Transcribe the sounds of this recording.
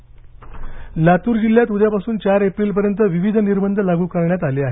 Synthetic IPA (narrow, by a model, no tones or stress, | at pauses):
lat̪uːɾd͡ʑilːjat̪ud̪ʱjapasuːnt͡ɕaɾepɾiːlp̬əɾjənt̪əʋiʋid̪ʱniɾbənd̪ʱəlaɡuːkəɾɳjat̪aleːaɦe